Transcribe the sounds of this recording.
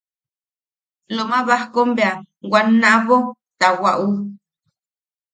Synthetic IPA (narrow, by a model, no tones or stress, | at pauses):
loʔmãβahkombea | wanãβot̪awaʔu